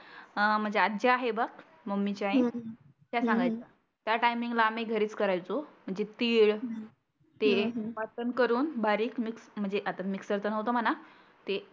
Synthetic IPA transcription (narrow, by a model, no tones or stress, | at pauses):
m̤əɳd͡zeadd͡ʑaːɦebək | məmːit͡ɕaɦi | t̪asãŋɡajt͡sa | t̪jaʈajmiŋɡlaːmiɡʱəɾiːt͡skəɾajt͡som̤əɳd͡zet̪iːɭ | t̪epat̪ənkəɾuːnbaɾiːkmiksm̤əɳd͡zeʔat̪amiksəɾt̪ənɦowt̪om̤əna | t̪e